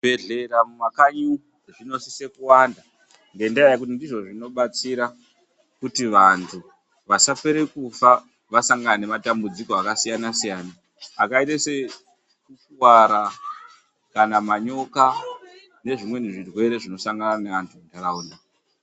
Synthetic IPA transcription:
eɮeɾamumakaɲu | ʐino̞sise̞kuwanda | nɡe̞ndajajekut̬indiʐo̞ʐino̞ɓat͡siɾa | kutiʋantʰu | ʋasapeɾekufa | ʋasaŋɡanane̞matambud͡ziko̞akasijanasijaːnaː | kaitase̞ | kukwaɾa | kanamaɲo̞ka | ne̞ʐimwe̞niʐirwe̞ɾe̞ʐino̞saŋɡananeantʰundaɾauːna

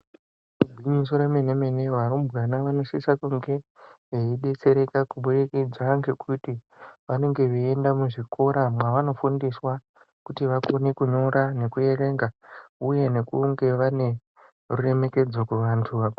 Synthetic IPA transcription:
ubʱiɲis̬oɾemeneme̞ne̞ʋaɾumbɣanaʋano̞sisakuŋɡe̞ | ɦeiɗe̞t͡se̞ɾe̞kakuɓuɾekid͡zwaŋɡekʰuti | ʋane̞ŋɡe̞ʋiendamuʐikʰo̞ɾamwaʋano̞fundiswa | kutiʋako̞nekuɲo̞ɾane̞kuje̞re̞ːŋɡauje̞ne̞kuŋɡe̞ʋane̞ | rure̞me̞ke̞d͡zokuʋantʰuʋak

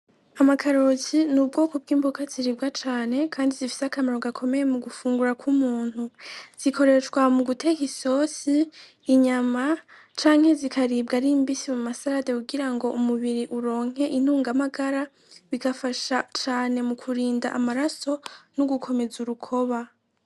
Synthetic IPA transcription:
amakʰaɾo̞zinub̚ɡo̞ːkob̚ɡiːmbokaz̥iɾiːbɡat͡ʃaːne̞kʰaːndizifi̥sakameɾoɡakʰo̞me̞jemuɡufuːŋɡuɾakʰumuːn̥huz̥ikʰo̞ɾe̞t͡ʃkwamuɡute̞kiso̞siː | ɲama | t͡ʃaːŋhe̞zikʰaɾiːb̚ɡaɾimbisimumasaɾadeuɡiɾaŋɡo̞ʔumuβiɾiʔuɾo̞ːŋ̥he̞ʔin̥uːŋɡamaɡaɾa | βiɡafaʃat͡ʃaːne̞mukʰuɾiːndaʔamaɾaso̞nuɡukʰo̞me̞zuɾukʰo̞βa

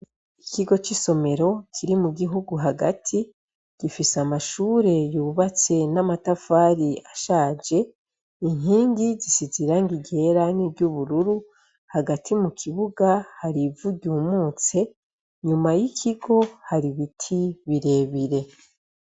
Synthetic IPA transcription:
ikiɡo̞t͡ʃiso̞me̞ɾo̞kʰiɾimuɡiɦuɡuɦaɡa̰tʰi | ɡ̥ifisamaʃuːɾe̞juːβat͡se̞namatafaːɾiaʃaːd͡ʒe̞ | iŋɦiːŋɡizisiziɾaŋɡiɟe̞ɾanibɟuβuɾuɾu | haɡatʰimukʰiβuɡahaɾivuɟuːmuːt͡se̞ | ɲumajikʰiɡo̞haɾiβitʰiβiɾe̞ːβiɾe̞

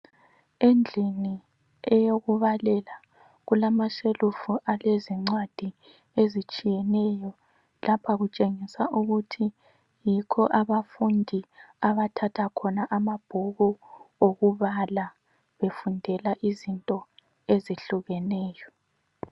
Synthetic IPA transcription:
end͡ɮʱini | ɛjoɣuβalɛla | ɣulamaʃelufuʔaleziŋ͡ǀwad̥ʱi | ezit͡ʃʼijɛnɛjɔ | lapʰaɣut͡ʃʼeŋisaʔuɣutʰi | jikʰɔʔaβafundʱiaβatʰatʰakʰɔnaʔamab̥ʱuɣuoɣuβala | βefundʱɛlaʔizintʼɔ | eziɬuɣɛnɛːjɔ

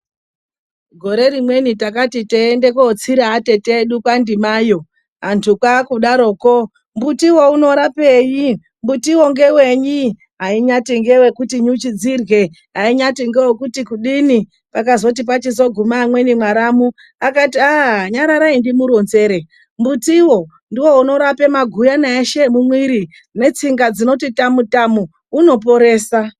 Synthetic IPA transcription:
ɡʱo̞ɾe̞ɾimwe̞nitakatiteːndekot͡siɾaːte̞teɗukwandimaːjo̞ | ɦantʰukwakuɗaɾo̞ːko | mbutiwo̞uno̞ɾape̞ːji | mbutiwo̞ŋɡe̞we̞ɲi | ɦaiɲatiŋɡewekutiɲut͡ʃid͡zirwe̞ | ɦaiɲatiŋɡewekutikuɗini | pakazo̞t̬ip̬at͡ʃizo̞ɡʱumaːmwe̞nimwaɾamu | akatiaɲaɾaɾaindimuɾo̞nze̞ɾe̞ | mbutiwo̞ | ndiwo̞uno̞ɾape̞maɡʱujanaeʃe̞mumwiɾi | ne̞t͡siŋɡad͡zino̞titamutamuː | no̞po̞ɾe̞ːsa

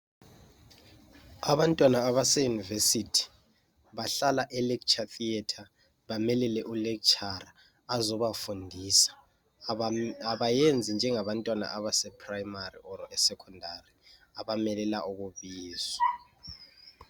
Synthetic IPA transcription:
aβantʼwanaːβasɛjunivesitʰi̥ | βaɬalaʔɛlɛkt͡ʃʰʼaθiɛtʰa | βamɛlɛlɛʔulɛk̚t͡ʃʰʼara | azɔβafundʱisḁ | aβajɛnd͡zʱind͡ʒʱɛŋaβantʼwana̰ʔaβasɛpʰʼrajmarḭʔɔɾɔʔɛsɛkʰɔndʱari | aβamɛlɛlaʔuk̬uβiːza

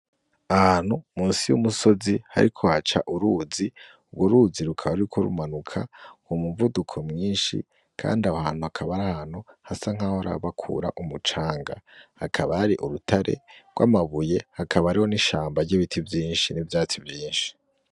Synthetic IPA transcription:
ahan̥humuːnsijṵmuso̞ziha̰ɾikʰo̞hat͡ʃaʔuɾuzi | ubɡwoɾuziɾukʰaɾuikʰoɾṵmanukʰaŋomuvudukʰo̞mŋiːnʃḭ | kʰa̰ːndiahaːn̥uakʰaβaɾahan̥huhasaŋ̥ahoɾa̰βakʰṵːɾa̰ʔumut͡ʃaːŋɡa̰hakʰaβahaɾiʔuɾutʰaɾʔe̞̰ɡwa̰ːmaβuje̞hakʰaβaɾiho̞niʃaːmbaɾɟiβitʰivjiːnʃinivjaːt͡sivjiːnʃi̥

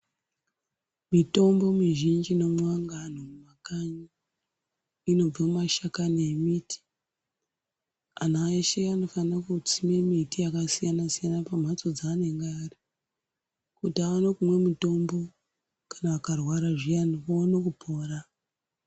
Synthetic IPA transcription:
mito̞mbo̞miʒind͡ʒino̞mwaŋɡan̤omumakaɲi | ino̞b͡vammaʃakanemiti̥ | an̤aeʃeano̞fanrakut͡simemitijakasijanasijanapam̤ʱat͡so̞d͡zane̞ŋɡaːri | kutaʋano̞kumwe̞muto̞mbo̞ | kḁnaakarwaɾaʐijanoʋonok̬upʰo̞ːra

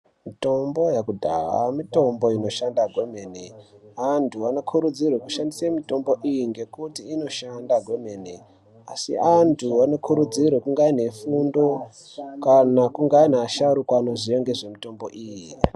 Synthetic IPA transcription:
mito̞mbo̞jakudʱaɦa̰mito̞mbo̞ino̞ʃandaɡʱwe̞me̞neantʰuano̞kʰuɾud͡zirwekuʃandisemito̞mbo̞ʔijiŋɡe̞kutiːno̞ʃandaɡweme̞ːne | a̰sḭantʰuano̞kʰuɾud͡zirwekuŋɡaine̞fundo̞ | kanakuŋɡainaːʃaɾukwaːnoʐieŋɡe̞ʐe̞mito̞mbo̞ʔiːji

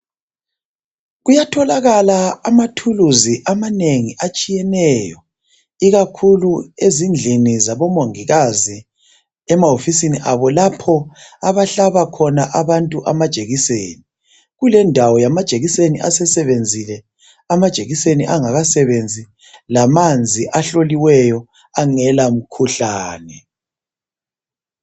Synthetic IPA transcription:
ɣujatʰɔlaɣalaːmatʰuluziʔamaneŋiʔat͡ʃʼijɛnɛjɔ | iɣakʰuluezind͡ɮʱinizaβɔmoŋiɣazi | ɛmaɦofisiniʔaβɔlapʰɔaβaɬaβakʰɔnaʔaβantʼuʔamad̥ʒ̥ʱeɣiseːni | ɣulɛndʱawɔjamad̥ʒ̥ʱeɣisenḭʔa̰sɛsɛβend͡zʱilɛ | amad̥ʒ̥ʱeɣiseniʔaŋaɣasɛβend͡zʱi | lamand͡zʱiʔaɬoliwɛjɔ | aŋɛlam̩kʰuɬaːnɛ

